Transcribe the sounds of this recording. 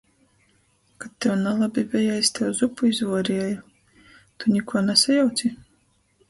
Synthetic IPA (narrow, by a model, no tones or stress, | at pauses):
kat̪ʲːɛwnalˠabʲivʲɛjajsʲt̪ʲɛwzupuizvuɔɾiɛju | t̪unʲikuɔnɛsajawt̪sʲi